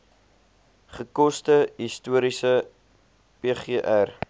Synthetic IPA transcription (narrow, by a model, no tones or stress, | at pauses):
χəkɔstəɦistuəɾisə | peːχeːʔær